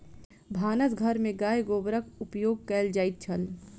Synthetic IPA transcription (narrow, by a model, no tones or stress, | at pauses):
bʱaːnəsɡʱəɾmẽɡaːjɡoːbɾəkʊpjoːɡ̚kɛːld͡ʒaːɪt̪̚t͡ʃʰəl